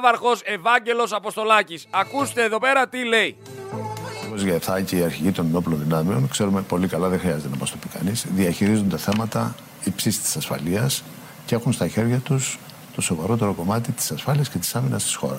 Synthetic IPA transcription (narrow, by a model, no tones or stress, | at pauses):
vɐɾxo̞se̞vɐɲɟe̞lo̞sɐpo̞st̪o̞lɐcisɐkust̪eːðo̞pe̞ɾɐt̪ile̞i | opozʝɐθɐce̞iɐɾçiʝit̪o̞nno̞plo̞nðinɐmeo̞nkse̞ɾume̞po̞likɐlɐðe̞xɾiɐze̞t̪enɐmɐst̪o̞pikɐ̰nizðiɐçiɾizond̪e̞θe̞mɐt̪ɐ | ipsisi̥t̪i̥sɐsfɐ̰liɐs | ce̞xunst̪ɐçe̞ɾʝɐt̪us | t̪o̞so̞vɐɾo̞t̪e̞ɾo̞ko̞mɐt̪it̪i̥sɐsfɐliɐsce̞t̪i̥sɐminɐst̪i̥sxo̞̰ɾɐs